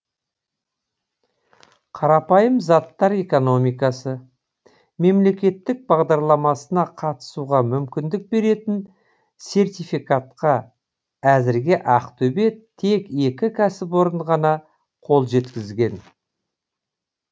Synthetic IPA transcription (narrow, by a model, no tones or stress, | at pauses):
qʰɑɾɑpɑjəmzɑt̪ːɑɾe̞ko̞no̞mijkɑsə | me̞mle̞kʲe̞t̪ːɪk̚bɑʁd̪ɑɾlˠɑmɑsənɑqʰɑt̪ə̥suʁɑmʏmkʲɪnd̪ɪk̚be̞ɾe̞t̪ɪn | se̞rt̪ʲijfikat̪qɑ | æzɪɾɡʲɪʔɑqt̪ʰɵbe̞t̪ʰe̞ke̞kʲɪkʲʰæsɪpwo̞ɾəɴʁɑnɑ | qʰo̞lˠʒe̞t̪kʲɪzɡʲe̞n